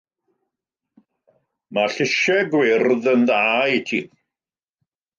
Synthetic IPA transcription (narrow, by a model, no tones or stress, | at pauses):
maɬɪʃɛɡwɪrðənðaːitʰḭː